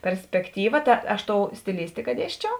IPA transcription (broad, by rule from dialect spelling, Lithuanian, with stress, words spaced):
pʲɛrʲsʲpʲɛkˈtʲiːʋɐ ˈtɐ ˈɐʃ ˈtoːʊ sʲtʲɪˈlʲɪsʲtʲɪkɐ ˈdʲiɛsʲt͡ʃʲɛʊ